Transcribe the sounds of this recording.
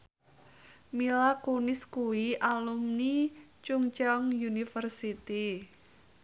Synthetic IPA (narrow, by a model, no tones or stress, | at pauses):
milakunɪskuwiʔalumnit͡ʃuŋt͡ʃɔŋjunifərsit̪i